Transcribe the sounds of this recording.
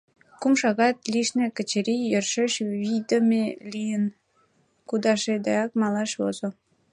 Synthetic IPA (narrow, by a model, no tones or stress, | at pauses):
kumʃɑɣɑt̪liʃnekə̆t͡ɕeɾijərʃeʃβid̪əmelijən | kud̪ɑʃed̪ɑjɑk̚mɑlɑʃβo̰zo